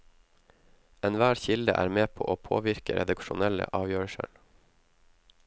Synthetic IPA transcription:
ɛnʋæːɾçɪld̪əʔæ̰ːɾmeːpʰo̰ːʔoːpʰo̰ːʋɪɾkəɾɛ̰d̪ɑkʃʊnɛlə̰ʔɑːʋjøːɹəʃəɳ

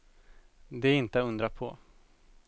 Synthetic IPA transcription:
d̪ɛɪnt̪əaɵnd̪ɾapʰɔ̰

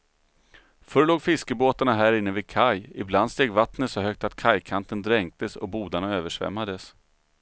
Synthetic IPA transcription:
fɵɾɭoːɡfɪskəboːt̪aɳaɦæːɾɪnːəvɪkʰajɪbland̪st̪eːɡvat̪nət̪sɔɦœk̚t̪at̪kʰajkʰant̪ənd̪ɾɛŋk̚t̪əsɔ̰buːd̪aɳaøːvəʂvɛ̰mːad̪əs

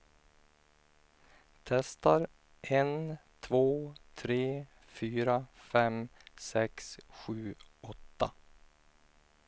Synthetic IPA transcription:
t̪ʰɛst̪aɾ | ʔent̪ʰvoːt̪ʰɾeː | fyːɾafɛmsɛksɧʉ̟ːɔt̪ːa

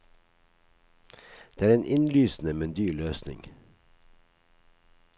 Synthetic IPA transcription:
d̪̥eːæːɾeːnʔɪnlyːsn̩əmɛnd̪yːɭøːsnɪ̰ŋ

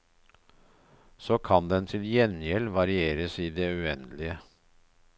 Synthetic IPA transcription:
soːkʰɑnd̪ɛnt̪ʰɪljɛnjɛlʋɑɾɪeːɾəsiːd̪eːʉɛnd̪lɪə

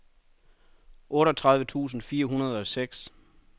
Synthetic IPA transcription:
ʔɔ̽ːɾɒt͡sʰʁɑ̈ð̞ˠʋət͡sʰṵːs̬n̩fiːɐɦunɐð̞ˠɒ̽seɡ̥s

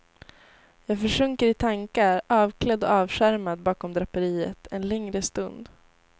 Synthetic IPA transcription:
jɑːɡfœʂɵŋkəɾɪt̪ʰaŋkaɾɑːvkʰlɛd̪ːɔɑːvɧæɾmad̪bɑːkɔmd̪ɾapːəɾiːə̰t̪ʰɛnlɛŋɾəst̪ɵnd̪

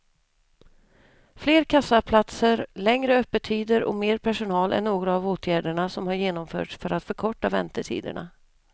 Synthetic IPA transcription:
fleːɾkʰasːapʰlat̪səɾlɛŋɾəœpːəʈ̪ʰiːd̪əɾɔ̰meːɾpʰæʂʊnɑːlʔɛ̰nːoːɡɾaːvoːt̪ʰjæːɖəɳasɔmhaɾjeːnɔmfœ̰ːʈʂfœɾat̪fœɾkʰɔʈːavɛ̰nt̪əʈʰḭːd̪ə̰ɳa̰

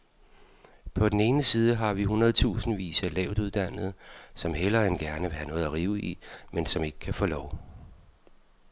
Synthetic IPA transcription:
pʰɒ̽d̥en̩e̝ːnəsiːð̞ˠəɦɑ̈ʋiɦunʁɐðˠt͡sʰṵːsn̩ʋḭːsælɛʊd̥uð̞ˠd̥æn̰ð̞̩ˠsɒ̽mɦelɐenɡ̥æɐnəʋe̝ɦænɔ̽ːð̩ˠæʁiːʊʔimensɒ̽me̝ɡ̥ə̥kʰæfɔːlɒʊ

